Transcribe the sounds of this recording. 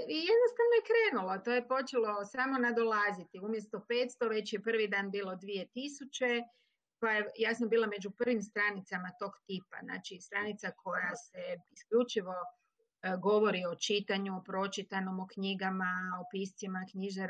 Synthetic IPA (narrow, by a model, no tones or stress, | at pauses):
ijed̪nost̪aʋnojekɾeːnulo̞t̪o̞ːjepo̞t͡ʃelo̞saːmo̞nad̪o̞lazit̪iumjest̪ope̞ːt̪st̪o̞ʋe̞t͡ɕjepr̩ʋid̪aːnbiːlˠod̪ʋie̞t̪isut͡ʃe̞ | kojajejaːsambiːlˠame̞d͡ʒupr̩ʋimst̪ɾanit̪samat̪o̞ːɡt̪iːpazna̰ːt͡ʃist̪ɾanit̪sakʰo̞jaseiskʎut͡ʃiʋo̞ | ɡo̞ʋo̞ɾio̞t͡ʃit̪aɲuopɾo̞t͡ʃit̪ano̞mokɲiɡamaopist̪simakɲiʒaɾ